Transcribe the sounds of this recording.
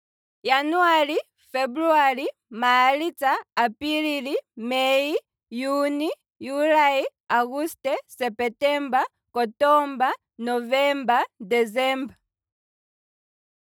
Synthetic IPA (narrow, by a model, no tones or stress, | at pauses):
januali | fɛbɾualimalitaːpililimɛi | juni | julai | aɣustɛsɛpɛtɛmba | kɔtɔmba | nɔvɛmbadɛzɛmba